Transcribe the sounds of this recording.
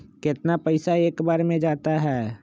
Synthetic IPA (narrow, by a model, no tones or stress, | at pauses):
kɪt̪napəɪsaeːkbaːɾmẽd͡ʒaːt̪aɦɛː